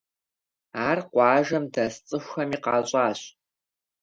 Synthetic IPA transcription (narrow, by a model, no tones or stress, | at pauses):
aːrqʷɑːʒɐmdɐst͡sʼɨxʷxɐmiːqɑːɕʼɑːɕ